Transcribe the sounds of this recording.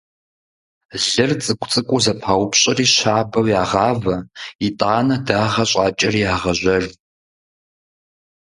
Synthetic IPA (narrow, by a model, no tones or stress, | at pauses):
ɮɨrt͡sʼɨkʷʰʼt͡sʼɨkʷʼʊzɐpʰaːwpɕʼɐriːɕaːbɐwjaːʁɑːvɐitʼaːnɐdaːʁɐɕʼaːt͡ʃʼɐriːaːʁɐʑʷɐr